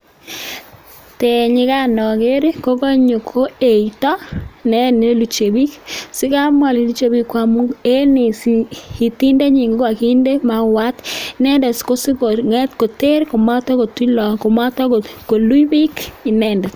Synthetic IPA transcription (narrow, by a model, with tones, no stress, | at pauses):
te˨ɲɪ˨˦ka˦nɔ˨ke˦ɾko˦ko˦ɲo˨kʰo˦e˨i˨tɔ˦nɛ˦ne˦lu˨t͡ʃe˨bi˦ksɪ˦ka˦mwa˨li˨lu˦t͡ʃe˨bi˦kwa˨mu˦e˦ne˨si˨ti˦nde˦ɲi˨ŋɡo˦kwa˨ki˦nde˦ma˨wa˦tnɛ˦ndɛ˨sko˦si˦ko˨ŋɛ˦tko˨te˦ɾko˨ma˦tɔ˦ko˨ti˦lɔ˨ko˨ma˦tɔ˦ko˨ko˨lu˦jbi˦ki˨nɛ˦˨ndɛ˨s